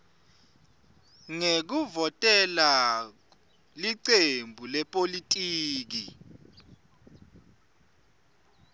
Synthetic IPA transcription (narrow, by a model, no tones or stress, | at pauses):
ŋek̬uvɔtʼɛla | liǀembʱulɛpʼolitʼiːk̬i